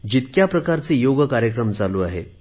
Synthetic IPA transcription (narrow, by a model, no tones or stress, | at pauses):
d͡ʑit̪kjapɾəkaɾt͡sejoɡəkaɾjəkɾəmt͡saluːaɦḛ